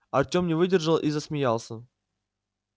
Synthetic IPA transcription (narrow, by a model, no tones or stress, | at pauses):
ɐrtʲomnʲɪvɨdʲɪrʐəlˠʔizəsmʲɪjalˠsʲə